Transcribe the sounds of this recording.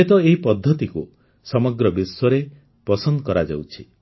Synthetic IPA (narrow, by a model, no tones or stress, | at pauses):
et̪ɔeɦipɔd̪ʱːɔt̪iku | sɔmɔɡɾɔbiswɔɾe | pɔsɔnd̪kɔɾad͡ʒa̰wt͡ʃʰi